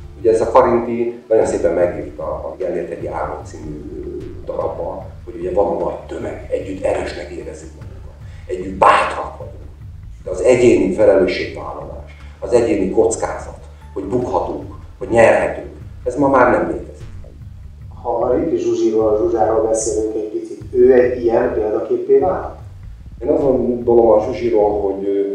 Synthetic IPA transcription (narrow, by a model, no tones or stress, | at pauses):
uɟɛːzɒkɒɾint̪inɒjo̞nseːpɛmːɛɡʋift̪ɒːɡɛleːrt̪ʰɛt̪ia̰ːɾot̪siːmyd̪ɒɾɒbːɒn | ho̞ɟuɟɛvɒnɒnɒjt̪ømɛ̰ɡɛɟːyt̪ːɛɾøːʃnɛkeːɾɛzikmɒɡukɒt̪ | ɛɟːyt̪baːt̪rɒkʋɒɟu | d̪ɛɒzɛɟeːnifɛlɛløːʃeːkt̪a̰ɦlola̰ːʃ | ɒzɛɟeːniko̞t̪ska̰ːz̥ɒt̪ | ho̞ɟbukhɒt̪uŋk | ho̞ɟɲɛrɦɛt̪yŋkɛzmɒmaːrnɛmlḛːt̪ɛzi | hɒit̪ːiʒʒuʒiɾolʒuʒaːɾoːlbɛseːlyŋkɛc̚ʲpit̪sit̪øːɛɟijɛnpeːld̪ɒkeːpːeːnaːlt̪ | eːnɒzond̪olomɒmʒuʒiɾoːlɦo̞ɟøː